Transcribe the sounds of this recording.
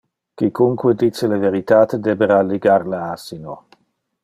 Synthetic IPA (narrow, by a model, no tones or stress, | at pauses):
kikuŋkwed̪it͡seleveɾit̪aːt̪ed̪ebeɾaliɡaɾlaasino